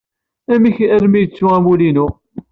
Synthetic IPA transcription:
æmiçæɾmijət͡sːuæmulinu

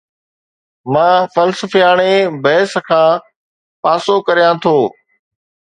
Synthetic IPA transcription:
mãːfəlsəfijaːɽ̃ebɐːɪskʰãː | paːsokɐɾijãːt̪ʰoː

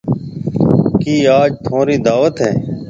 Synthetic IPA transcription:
kiːaːd͡ʒt̪ʰõːɾiːd̪aːʋət̪ɦɛː

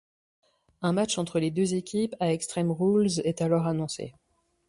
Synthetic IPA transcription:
ɛ̃mat͡ʃɑ̃t̪χəled̪øzekʲʰipaɛkst̪χɛmʁulzɛt̪alɔʁanɔ̃sḛ

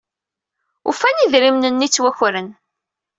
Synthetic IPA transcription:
ṵfæniðɾimnənːit͡sːwæçɾən

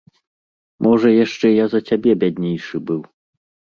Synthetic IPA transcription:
mʔɔʐɐjaʂt͡ʂɛjazɐt͡sʲabʲɛbʲadʲnʲejʂɨbɨw

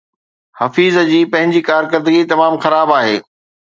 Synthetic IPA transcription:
hɐfiːzəd͡ʑiːpɐ̃ɦɪ̃ɲd͡ʑikaːɾkɐɾd̪əɡit̪ɐmaːmxɐɾaːbaːɦeː

